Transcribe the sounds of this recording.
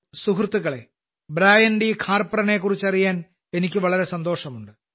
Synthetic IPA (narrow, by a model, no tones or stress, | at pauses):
suɦrt̪ːuɣɐɭe̞ | bɾaːjɐndikʰaːrpɐrɐne̞ːkːurit͡ɕːɐrijaːn | e̞nikʲːɨʋɐɭɐɾe̞sɐnd̪o̞ːʂɐmuɳɖɨ